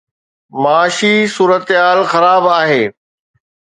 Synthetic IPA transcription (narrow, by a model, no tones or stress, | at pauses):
maaːʃisuːɾət̪ɦaːlxɐɾaːbaːɦeː